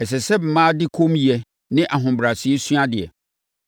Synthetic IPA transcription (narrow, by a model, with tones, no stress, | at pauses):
ɛ˨s̬ɛ˨sɛ˦m̩˨mãː˦dɪ˦kʰõ˦m˦ji˨ɛ˨ | nɪ̃˦ʔa˨ɦʊ̃˨bɾa˨sɪ˦e˦sɥa˦dɪ˨ɛ̰˨